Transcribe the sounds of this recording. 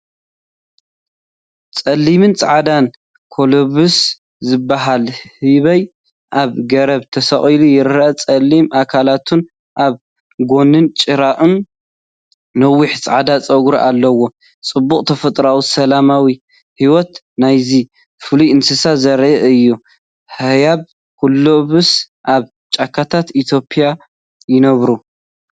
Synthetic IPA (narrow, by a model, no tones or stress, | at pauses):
t͡sʼɐlːimɨnt͡sʼʕad̪an | kʰo̞loβus | zɨbːaɦalhɨβɐj | ʔaβɡɐɾɐβt̪ʰɐsɐχʼilujɪɾat͡sʼɐlːimʔakʰalat̪ʰun | ʔaβ | ɡo̞nɨnt͡ʃʼɨɾaʔɨn | nɐwːiħɨsʕad̪at͡sʼɐɡɾiʔalːɐwo̞ | t͡sʼɨbːuχʼt̪ʰɐfɐt̪ʼɾawisɐlamawi | hiwɔt̪ | najzi | fɨlujɨnsɨsazɐɾʔɨjːu | hɨjaβ | kulːoβɨs | ʔaβ | t͡ʃʼakʰːat̪ʰat̪it̪ʰjo̞pʰʼija | jɪnɐβɾu